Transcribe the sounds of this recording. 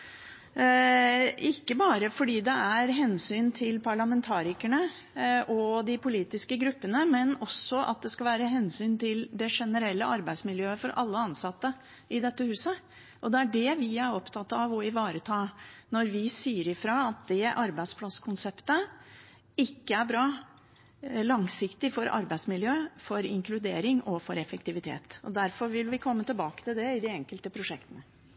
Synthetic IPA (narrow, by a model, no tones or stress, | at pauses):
ɪkːəbɑːɾəfɔɖiːd̪ɛæɾɦɛnsyːnt̪ʰɪlpʰɑɭɑmɛnt̪ʰɑːɾɪkæɳə | ʔɔd̪ɪpʊliːt̪ɪskəɡɾʉpːənəmɛnɔsːɔʔɑ̰t̪̚d̪ɛskɑlʋæːɾəɦɛnsyːnt̪ʰɪld̪ɛʂɛnəɾɛlːəɑɾbæɪsmɪljøːəfɔɾʔɑ̰lːəɑnsɑt̪ːə | ɪd̪ɛt̪ːəhʉːsə | ʔɔd̪ɛæɖɛʋɪæɾɔpt̪ʰɑt̪ːɑʋɔɪʋɑːɾət̪ʰɑːnɔɾʋɪsiːəɾɪfɾɑɑt̪̚d̪ɛʔɑɾbæɪd̪spʰlɑskʰʊnsɛpt̪ə | ɪkːəæɾbɾɑː | lɑŋsɪkt̪ɪfɔɾɑ̰ɾbæɪd̪smɪljøːfɔɾɪŋkʰlʉd̪eːɾɪŋɔfɔɾɛfəkt̪ɪʋɪt̪ʰḛːt̪ɔd̪æɾfɔɾʋɪlʋɪkʰɔmːət̪ɪlbɑːkə̥t̪ɪld̪ɛɪd̪ɪɛŋkəlt̪əpʰɾʊʂɛkt̪ənə